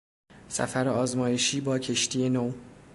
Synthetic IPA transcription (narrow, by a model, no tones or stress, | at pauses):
sæ̰fæɾeɒːzmɒːjeʃiːbɒːcʰe̞ʃt̪ʰiːenow